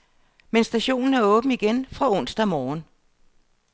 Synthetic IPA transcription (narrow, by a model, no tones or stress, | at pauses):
mensd̥æɕo̝̰ːnn̩æɐɔ̽ːb̥n̩iɡ̥enfʁɑ̈ɔ̽n̰sd̥æmɒːn